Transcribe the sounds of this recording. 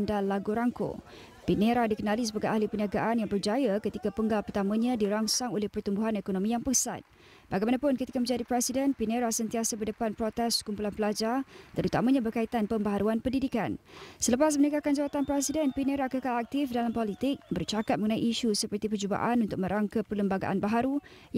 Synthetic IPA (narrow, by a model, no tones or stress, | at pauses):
ndanlaɡuɾaŋko̰ | pineɾadikənalisəbaɡajahlipəniaɡaʔanjaŋbərd͡ʒajakət̪ikapəŋɡalpərt̪amãɲãdiɾaŋsaŋolɛhpərt̪umbuɦanekonõmijaŋpəsa̰t̪̚ | b̥aɡajmanapʊnkət̪ikamə̃ɲd͡ʒadipɾɛsidɛnpineɾasənt̪iasabərdəpanpɾot̪ɛskumpulanpəlad͡ʒart̪əɾut̪amãɲãbərkait̪anpəmbaɦaɾuanpəndidika̰nsələpas̬mənəkakand͡ʒawat̪anpɾɛsidɛnpineɾakəkalak̚t̪ɪfdalampolit̪ɪk̚bərt͡ʃakat̪̚məŋənãiʔiʃusəpərt̪ipəd͡ʒuba̰ʔanunt̪ʊk̚mə̃ɾaŋkapələmbaɡa̰ʔa̰nbaɦaɾu